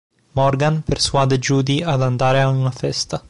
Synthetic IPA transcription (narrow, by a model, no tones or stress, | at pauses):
mɔrɡanpersuaːd̪ed͡ʒuːd̪iad̪and̪aːɾeaunafɛst̪a